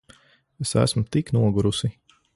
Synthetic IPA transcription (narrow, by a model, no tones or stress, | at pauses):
esæ̰smut̪iknuɔɡuɾusi